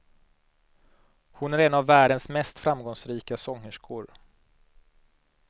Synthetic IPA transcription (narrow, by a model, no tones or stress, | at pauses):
hʊnæɾɛnavːæːɖənsmɛst̪fɾamɡɔŋsɾiːkasɔŋːəʂkʰʊɾ